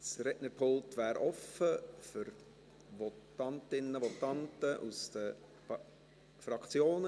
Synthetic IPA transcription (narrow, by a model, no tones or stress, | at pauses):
sɾɛʔnəɾpʰolˠt̪ʋæːɾɔfəfʏɾ | ʋɔtɑntɪnːəʋɔt̪ɑntəʔusd̥̪ə | fɾɑkt͡sjoːn